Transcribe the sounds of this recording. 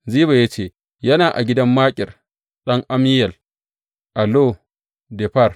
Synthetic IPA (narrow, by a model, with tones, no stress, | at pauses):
ziː˦βa˨ja˦t͡ʃeː˦˨ | jɐ˦naː˨ʔa̰˨ɡʲɪ˦dɐ˦mːaː˦kʲʼɪ˨r | ɗɐ˦ŋʔa˦mɪ˦jɐ˨l | ʔa˨loː˦˨ | dɛ˨ɸɐ˦r